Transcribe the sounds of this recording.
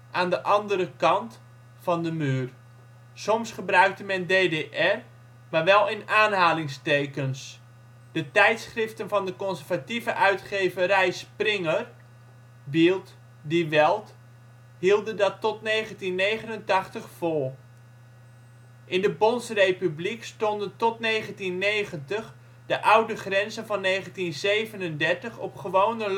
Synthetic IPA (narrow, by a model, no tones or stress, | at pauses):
ʔaːndəʔɑndəɾəkɑnt | fɑndəmyːr | sɔmsχəbrœɥk̚təmɛndeːdeʔɛr | maːʋɛlˠɪnaːnɦaːlɪŋstejkəns | d̥ətɛjtsχrɪftənvɑndəkɔnszərvativəʔœɥtχeːvərɛjsprɪŋər | bilˠt | diʋɛlˠt | ɦilˠdəndɑtɔtnejχəntinːejχənəntɑχtəχfʊːɹ | ʔɪndəbɔnsrejpyblikstɔndəntɔtnejχəntinːejχəntəχ | d̥əʔʌwdəχrɛnzənvɑnːejχəntinzejvənəndɛɹtəχɔpχəʋownə